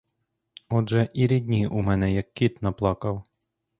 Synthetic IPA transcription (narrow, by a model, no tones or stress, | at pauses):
ɔdʒɛʔiɾʲid̪ʲnʲiʔumɛnɛjɐkʲːit̪nɐplˠɑkɐw